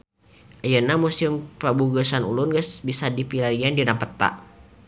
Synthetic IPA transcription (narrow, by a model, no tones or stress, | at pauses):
ʔajənamusiumpəbuɡəsanṵlʊnɡəsbisadipilaɾiandinapət̪a̰ʔ